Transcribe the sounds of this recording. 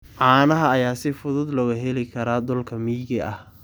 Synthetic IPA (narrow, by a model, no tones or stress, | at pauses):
ʕɑːnɐɦɐːjaːsɪfʊðʊd̪lɔːɣɐɦɛlɪkʰɐɾaːd̪ɔlkʰɐmiːɣɪʔɐh